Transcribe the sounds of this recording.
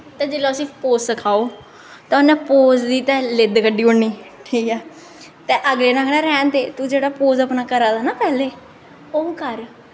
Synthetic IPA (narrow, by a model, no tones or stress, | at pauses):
t̪ɛ̃ːd͡ʒeːlõəsĩːpoːssəkʰaːoː | t̪ãʊnɛ̃ːpoːzd̪iːt̪ɛ̃ːlɪd̪kəɖiːʊɳniːʈʰiːkɛː | t̪ɛːʔəɡleːnãːkʰɽãːɾɛːnt̪eːt̪ũd͡ʒeːɽaːpoːzəpnaːkəɾaːd̪aːnaːpɛːleː | oːkəɾ